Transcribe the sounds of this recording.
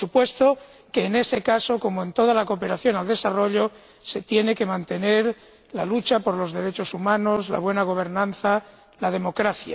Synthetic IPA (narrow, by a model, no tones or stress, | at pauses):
supwe̞st̪o | ke̞ːne̞se̞kaso̞ko̞moe̞nt̪o̞ð̞alako̞ːpe̞ɾaθjo̞nald̪e̞saro̞ʎo̞ | se̞t̪je̞ne̞ke̞mãnt̪e̞ne̞ɾ | lalut͡ʃapo̞ɾlo̞zðe̞ɾe̞t͡ʃo̞sumãno̞zla̰β̞we̞naɣ̞o̞β̞e̞ɾnãnθa | lað̞e̞mo̞kɾaθja̰